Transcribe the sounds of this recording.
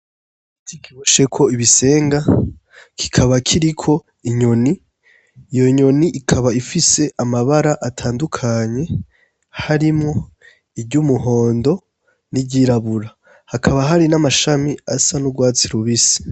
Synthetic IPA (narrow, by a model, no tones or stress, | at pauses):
tikʰiβoʃe̞kʰo̞iβise̞ːŋɡa | kʰi̥kʰaβakʰiɾikʰo̞ | iɲo̞niː | jo̞ɲo̞niʔikʰaβaifise̞ʔamaβaɾaʔatʰaːndukʰaɲe̞ | haɾimŋo̞ | ibɟumuɦo̞ːndo̞ | nibɟiːɾaβuɾa | hakʰaβaɦaɾinamaʃamiasanuɡwaːt͡siɾuβisi̥